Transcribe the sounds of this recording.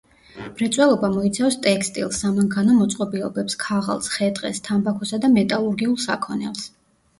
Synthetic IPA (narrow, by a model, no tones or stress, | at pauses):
b̥ɾɛt̪sʼwɛlˠɔbamɔit̪sʰafst̪ʼɛkst̪ʼḭlˠsːamaŋkʰanɔmɔt̪sʼqʼɔbiɔbɛpskʰaʁa̰lˠsχɛt̪ʼqʼɛ̰st̪ʰambakʰɔsad̪amɛt̪ʼalˠuɾɡiulˠsa̰kʰɔnɛ̰lˠs